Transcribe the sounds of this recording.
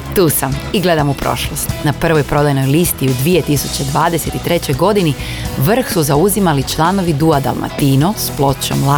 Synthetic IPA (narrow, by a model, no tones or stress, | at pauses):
t̪uːsamiɡle̞d̪amupɾo̞̰ʃlˠost̪napr̩ʋo̞jpɾo̞d̪ajno̞jlist̪iud̪ʋie̞t̪isut͡ɕe̞d̪ʋaːd̪e̞se̞t̪it̪ɾe̞t͡ɕo̞jɡo̞d̪ini | ʋr̩xsuzauzimalit͡ʃlˠaːno̞ʋid̪uad̪a̰lˠma̰t̪iːnosplˠo̞t͡ɕo̰mla